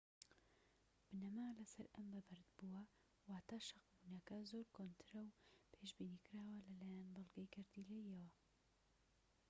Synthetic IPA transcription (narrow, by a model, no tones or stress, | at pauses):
b̥ɨnɐmaːlɐsɐɾɐmbɐbɨɾd̪buɐ | waːt̪ʰaʃɐqbunɐkɐzoɾkʰont̪ʰɨɾɐwpʰeʃbiːnikɨɾaːwɐlɐlaːjanbɨlˠɡɐjkʰɐɾd̪ilɐjjɐwɐ